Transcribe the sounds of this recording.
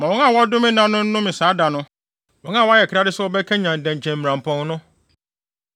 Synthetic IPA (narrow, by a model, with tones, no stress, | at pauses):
mã˨wɔ̃˦ŋã˦˨wɔ˦dʊ˦mɪ̃˦nã˦nʊ̃˦n̩˦nʊ̃˦mɪ̃˨saː˨˦da˨nʊ̃˦ | wɔ̃˨˦ŋã˦˨wɔ˦a˦jɛ˨kʰɾa˦dɪ˦sɛ˦wɔ˦bɛ˦kʰɛ̃˦ɲã˨n̩˨dɛ̃˨ɲ̩˨t͡ɕʰɛ̃˨m̩˨mĩ˨ɾã˨m̩˨pʰɔ̃˦ŋ˦nʊ̃˦